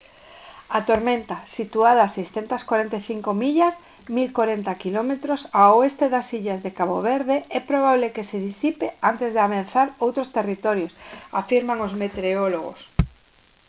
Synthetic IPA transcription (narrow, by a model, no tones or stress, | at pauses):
at̪oɾmẽnt̪asit̪uaðasejsθent̪askwaɾent̪eθiŋkomiʎas | milkoɾent̪akilɔmet̪ɾosaoest̪eðasiʎazðekaβoβeɾðeɛpɾoβ̞aβlekeseðisipeant̪ezðeaβanθaɾowt̪ɾost̪erit̪ɔɾjosa̰fiɾmaŋozmet̪eɾeoloɣ̞o̰s